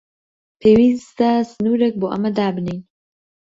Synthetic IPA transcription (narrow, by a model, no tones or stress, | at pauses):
pʰewizt̪asnuːɾək̚boʔa̰mad̪aːbnen